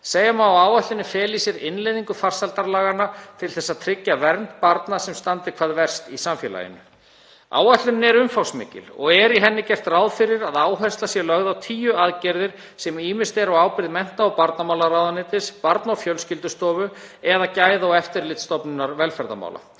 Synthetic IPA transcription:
seːjamaawaːwaht̪ʏnːɪfɛːlisɪɾɪnlejðiŋkʏfar̥salt̪aɾlaːɣanat̪ʰɪlθɛsːaðt̪ʰɾɪcːavɛɾnt̪paɾt̪nasɛmst̪ant̪ɪkʰvaːðvɛr̥st̪isamfjɛ̰la̰jɪ̰nːʏ | a̰ːwaht̪lʏnːɛɾʏmfawsmɪ̰ːcɪ̰lɔɣɛɾiɦɛnːɪcɛr̥t̪raːwðfɪɾɪɾaðaːwɦɛst̪asjɛlœɣðawt̪ʰiːjʏaðcɛɾðɪɾ̥ | sɛmiːmɪst̪ɛɾɔwaːwpɪɾðmɛn̥t̪aːwpaɾt̪namawlaɾaːwðanɪːt̪ɪspaɾt̪naɔfjœlscɪlt̪ʏst̪ɔːvʏ | ɛðacaːjðaɔɛft̪ɪɾlɪt̪st̪ɔpnɪnːaɾvɛlfɛɾða̰ma̰wla̰

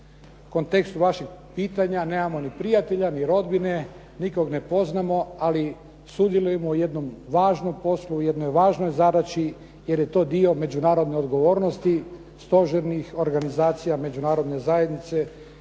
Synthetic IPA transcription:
ko̞nt̪e̞kst̪uʋaʃiɡpiːt̪aɲane̞ːmamo̞nipɾijat̪e̞ʎaniɾo̞d̪bine̞ | niko̞ɡne̞po̞znamo̞ali | sud̪jelˠujemooje̞d̪no̞mʋaːʒnompo̞slujed̪nojʋaːʒnojzad̪at͡ʃi | je̞ɾjet̪o̞ːd̪io̞me̞d͡ʑunaːɾo̞d̪neo̞d̪ɡo̞ʋo̞ːɾnost̪i | st̪o̞ʒeɾnixo̞ɾɡanizaːt̪sijame̞d͡ʑunaːɾo̞d̪ne̞zaje̞d̪nit̪se̞

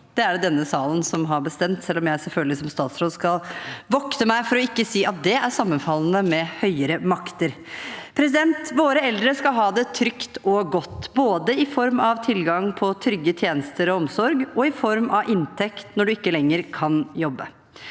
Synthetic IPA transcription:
d̪̥ɛæɖd̪ɛnːəsɑːlənsɔmɦɑɾbəst̪ɛmt̪sɛlːɔmjæɪsɛlfœlɡəlɪsɔmst̪ɑːt̪sɾoːd̪skɑlʋɔkt̪əmæɪfɔɾɔɪkːəsiːɑt̪̚d̪ɛæʂɑmːənfɑlːənəmɛhœʏəɾəmɑkt̪əɾ | pʰɾɛs̬ɪd̪ɛnt̪ʋoːɾəɛld̪ɾəskɑɦɑːd̪ɛt̪ʰɾʏkt̪ɔɡɔt̪ːboːd̪əɪfɔɾmɑʋt̪ʰɪlɡɑŋpʰɔt̪ʰɾʏɡːət̪ʰjeːnəst̪əɾɔɔmsɔɾɡɔɪfɔɾmʔɑʋʔɪnt̪ʰɛkt̪nɔɖʉɪkːəlɛŋːəɾkʰɑnjɔbːə̰

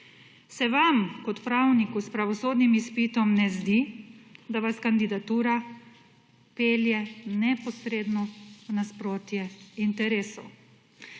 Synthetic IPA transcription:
sɛʋamkɔt̪pɾawnikuspɾaʋɔsoːd̪nimispit̪ɔmnɛzd̪id̪aʋaskand̪id̪at̪uːɾa | peːljɛnɛpɔsɾeːd̪nɔnaspɾoːt̪jɛint̪ɛɾeːsɔ

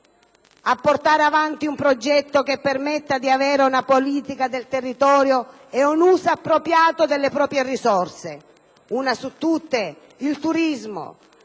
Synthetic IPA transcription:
apːort̪aːɾeavant̪iumpɾod͡ʒɛt̪ːokepːermɛt̪ːad̪iavɛːɾeunapoliːt̪ikad̪elt̪erːit̪ɔːɾjo | ɛunuːsaapːɾopɾjaːt̪od̪elːepɾɔːpɾjerisɔrse | unasut̪ːut̪ːe | ilt̪uɾizmo̰

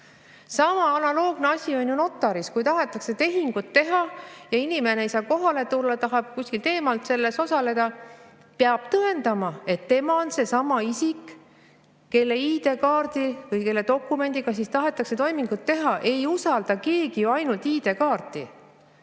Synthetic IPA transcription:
sɑmɑɑnɑlo̞ːɡ̥ne̞ɑsʲio̞nʲjuno̞t̪ːˑɑɾiskujt̪ɑɦe̞t̪ːˑɑkse̞t̪e̞ɦiŋɡ̥ut̪ːe̞ɦɑjɑinime̞neejsɑːko̞ɦɑle̞t̪ulːɑt̪ɑɦɑb̥̚kusʲkilt̪e̞ːmɑlt̪se̞lːe̞so̞sɑle̞d̪̥ɑ | peɑb̥̚t̪ɤe̞nd̪̥ɑmɑe̞t̪ːe̞mɑo̞nse̞sɑmɑisik | ke̞lːe̞iːd̪e̞kɑːrd̪̥ivɯjke̞lːe̞t̪o̞kːˑume̞nʲd̪̥iɡ̥ɑs̬ist̪ɑɦe̞t̪ːˑɑkse̞t̪o̞jmiŋɡut̪ːe̞ɦɑʔe̞jusɑld̪̥ɑke̞ːɡ̥iɑjnult̪iːd̪e̞kɑːrt̪ˑi

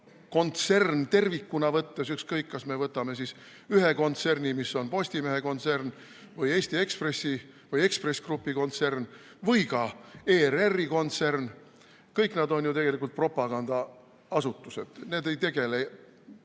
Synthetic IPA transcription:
ko̞nt̪se̞rnt̪e̞rvikːunɑvɤt̪ːesykskɤjkːɑsme̞vɤt̪ːˑɑme̞sis | yɦe̞ko̞nt̪se̞rnimisːo̞npo̞sʲt̪ime̞ɦeko̞nt̪sern | vɯje̞ːsʲt̪ie̞kspresːi | vɯje̞kspre̞sʲkrupːiko̞nt̪sern | vɯjkɑeːrerːiko̞nt̪sern | kɤjknɑd̪o̞njut̪e̞ɡ̥e̞likult̪̚pro̞pːˑɑɡ̥ɑnd̪ɑ | ɑsut̪ːˑuse̞d̪̥ne̞ːd̪e̞jt̪e̞ɡ̥e̞lej

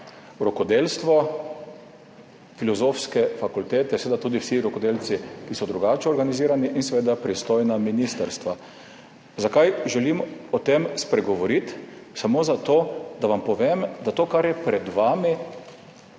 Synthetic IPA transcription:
ɾɔkɔd̪eːlst̪ʋɔ | filɔzofskɛfakult̪eːt̪ɛsɛʋed̪at̪uːd̪iwsiɾɔkɔd̪eːlt͡s̪ikisɔd̪ɾuɡaːt͡ʃɛɔɾɡaniziːɾaniʔinsʋeːd̪apɾist̪oːjnaminist̪əɾst̪ʋa | zakajʒɛlimɔt̪emspɾɛɡɔʋɔɾit̪samoːzat̪oːd̪aʋampɔʋemd̪at̪oːkaɾjɛpɾɛd̪ʋaːmi

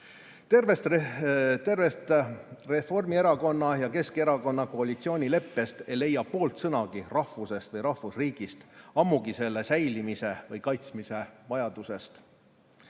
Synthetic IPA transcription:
t̪ervest̪ | t̪ervet̪refo̞rmie̞ɾɑko̞nːɑjɑke̞ske̞ɾɑko̞nːɑko̞ɑlit̪sio̞ːnʲile̞pːe̞st̪e̞jle̞jɑpo̞ːlt̪sɤnɑɡ̥irɑhvuse̞st̪vɤjɾɑhvusriːɡ̥ist̪ɑmːuɡ̥ise̞lːe̞sæjlimise̞vɯjkɑjt̪smise̞vɑjɑd̪use̞st̪

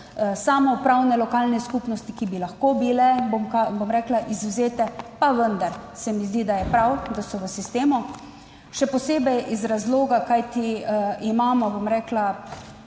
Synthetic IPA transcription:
saːmɔpɾawnɛlɔkaːlnɛskupnɔst̪ikibilaxkobilɛbomkabomɾɛːklaʔizwzeːt̪ɛpaʋənd̪aɾsɛmizd̪id̪ajɛpɾawd̪asɔʋəsist̪eːmu | ʃɛpɔseːbɛjʔizɾazloːɡakajt̪iimaːmɔbomɾɛːkla

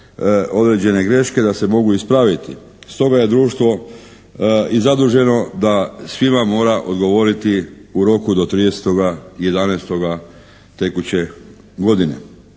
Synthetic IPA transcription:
o̞d̪ɾe̞d͡ʑe̞ne̞ɡɾe̞ʃke̞d̪ase̞mo̞ɡuispɾaʋit̪i | st̪o̞ɡaje̞d̪ɾuːʃt̪ʋo̞ | izad̪uʒe̞no̞d̪asʋimamo̞ːɾaʔo̞d̪ɡo̞ʋo̞ɾit̪iuɾo̞kud̪o̞t̪ɾid̪ese̥t̪o̞ɡaje̞d̪anest̪o̞ɡa | t̪e̞kut͡ɕe̞ | ɡo̞d̪inḛ

